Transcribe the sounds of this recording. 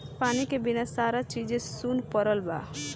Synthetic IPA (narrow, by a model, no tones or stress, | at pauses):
panikebinasaɾat͡ʃid͡ʒẽsunpəɾəlba̰